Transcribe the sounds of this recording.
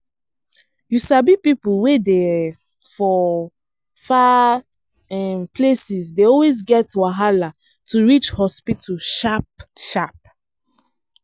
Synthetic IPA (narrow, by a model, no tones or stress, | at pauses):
jusabipipuwede | fɔ | fa | ɛmplesisdeɔlwezɡɛtwaɦala | tuɹit͡ʃhɔspitʰuʃap̚ʃap̚